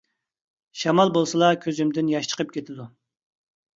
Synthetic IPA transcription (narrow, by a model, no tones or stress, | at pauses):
ʃɑmɑlˠbolˠsɨlˠɑkʲʰøzymd̪ɪnjɑʃt͡ʃʰə̥qʰəp̚kʲʰet̪ʰɪd̪u